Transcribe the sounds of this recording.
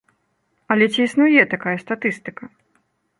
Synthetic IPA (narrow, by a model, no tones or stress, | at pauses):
ɐlʲɛt͡sʲiisnujɛt̪akajɛst̪at̪ɨst̪ɨkɐ